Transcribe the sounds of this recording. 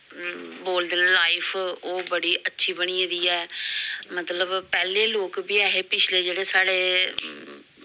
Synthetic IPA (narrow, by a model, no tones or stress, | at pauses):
boːld̪enːlaːɪpʰoːbəɽiːʔətːʃʰiːbəɽ̃iːə̃d̪iːɛːmət̪ləbpɛːleːloːkbiːɛːɦeːpɪt͡ʃʰleːd͡ʒeːɽeːsaːɽeː